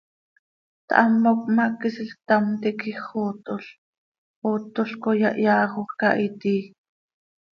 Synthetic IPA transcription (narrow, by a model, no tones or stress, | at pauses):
t̪ʔɑmːok̚mɑkisiɬt̪amt̪ikiχot̪oɬ | ot̪oɬkojɑʔjɑːχoka̰ʔit̪iː